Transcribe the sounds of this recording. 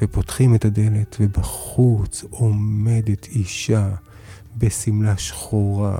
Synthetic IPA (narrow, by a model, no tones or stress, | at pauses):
vepo̞tχimetade̞letvebaχut͡so̞me̞de̞t̪ʰiʃa | be̞simlaʃχoʁa̰